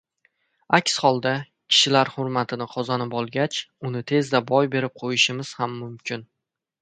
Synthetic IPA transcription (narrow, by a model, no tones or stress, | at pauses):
akʲshɒlˠd̪a | kʲʰɪ̥ʃɪlaɾhʊɾmat̪ʰɪnɪqʰɒzanɪpɒlˠɡʲat͡ʃʊnɪt̪ʰe̞zd̪abɒjbe̞ɾɪp̚qʰojɪʃɪmɪz̥hamːʊmkʲɪn